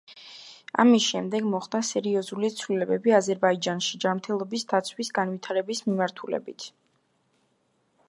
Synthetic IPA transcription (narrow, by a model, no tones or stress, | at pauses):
a̰misʃɛmd̪ɛɡmɔχd̪asɛɾiɔzulit̪sʰvlilɛbɛbiazɛɾbaid͡ʒanʃid͡ʒamɾt̪ʰɛlˠɔbisd̪at̪sʰwisɡanwit̪ʰaɾɛbismimaɾt̪ʰulɛ̰bḭt̪ʰ